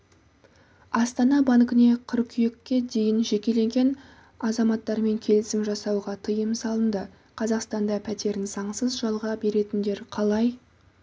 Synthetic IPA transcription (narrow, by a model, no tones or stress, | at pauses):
ɑst̪ɑnɑbɑŋkɪne̞qʰʊɾkʲʰʏjekʲːe̞d̪e̞jɪnʒe̞kʲe̞le̞ŋɡʲe̞n | ɑzɑmɑt̪ːɑɾme̞ŋkʲʰe̞lɪsɪmʒɑsɑwʁɑt̪ʰəjəmsɑlˠənd̪ə | qʰɑzɑqst̪ɑnd̪ɑpʰæt̪e̞ɾɪnz̥ɑɴsəzʒɑlˠʁɑbe̞ɾe̞t̪ɪnd̪e̞ɾqʰɑlˠɑj